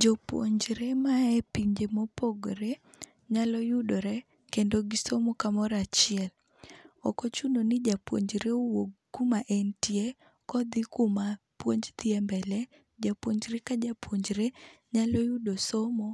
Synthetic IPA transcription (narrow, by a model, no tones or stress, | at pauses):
d͡ʒopwo̰ɲd͡ʒɾemaɛpiɲd͡ʒemopoɡɾe | ɲalɔjʊdoɾɛ | kendoɡɪsomokamɔɾat͡ʃɪɛl | ɔkɔt͡ʃunonɪd͡ʒapwo̰ɲd͡ʒɾeowoɡɡʊmaʔɛntje | kɔd̪ɪkʊma | pwoɲd͡ʒt̪iɛmbɛlɛ | d͡ʒapwoɲd͡ʒɾekad͡ʒapwoɲd͡ʒɾeɲalɔjʊdosomo